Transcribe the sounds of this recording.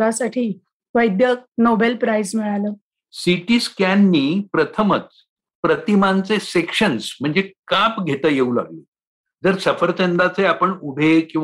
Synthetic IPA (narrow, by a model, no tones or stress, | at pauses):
asaʈʰiː | ʋəjd̪jənobelpɾajsmiɭaləː | siʈiːskanːiːpɾət̪ʰəmət͡s | pɾət̪imant͡sesekʂənsm̤əɳd͡zekapɡʱet̪əːjeula̰ɡle | d͡zəɾsəfəɾt͡send̪at͡seapəɳubʱekĩw̃